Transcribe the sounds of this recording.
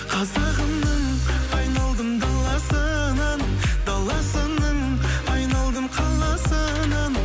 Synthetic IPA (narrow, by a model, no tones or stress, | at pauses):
qʰɑzɑʁənnəɴɑjnɑlˠd̪əmd̪ɑlˠɑsənɑnd̪ɑlˠɑsənəɴɑjnɑlˠd̪əmqʰɑlˠɑsə | nɑn